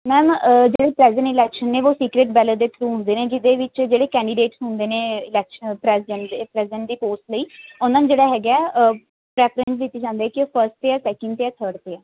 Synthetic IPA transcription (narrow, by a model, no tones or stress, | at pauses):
mɛːmd͡ʒeːɽeːpɾɛːzɪə̃ɳʈɪlɛːkʃənːeːʋoːsiːkɾeʈ̚bɛːləd̪eːt̪ʰɾuːɦʊ̃nd̪eːneːd͡ʒɪd̪eːʋɪt͡ʃd͡ʒeːɽeːkɛ̃ːɳɖɪɖeːʈsɦʊ̃nd̪eːneːɪlɛːkʃəpɾɛːsɪɖəɳʈd̪eːpɾɛːsɪɖə̃ɳʈd̪iːpoːsʈləiːʊnãːnd͡ʒeːɽaːɦɛːɡɛː | pɾɛːpʰɾə̃nsd̪ɪt̪ːeːd͡ʒãːnd̪eɛːkɪpʰəɾsʈt̪eːaːsɛːkə̃ɳɖ̚t̪eːaːt̪ʰəɾɖt̪eːɛː